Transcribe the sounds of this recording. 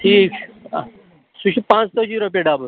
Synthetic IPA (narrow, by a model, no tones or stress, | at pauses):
ʈʰiːk | suɕipãt͡st̪əd͡ʑiɾop̬jeɖabə